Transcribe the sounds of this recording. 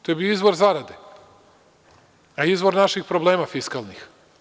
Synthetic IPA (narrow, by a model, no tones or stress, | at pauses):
t̪ojebijoizʋoɾzaɾad̪e | aizʋo̞ɾnaʃixpɾobleːmafiskalˠnix